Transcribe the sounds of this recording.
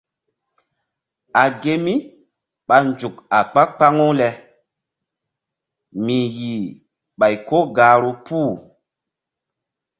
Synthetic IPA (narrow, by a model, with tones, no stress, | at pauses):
a˨ɡe˦mi˦ | ɓa˨nd͡ʒu˨ka˨k͡pa˦k͡pa˦ŋu˦lɛ˨ | mi˨ji˨ | ɓa˨jko˦ɡaː˨ɾo˦puː˦˨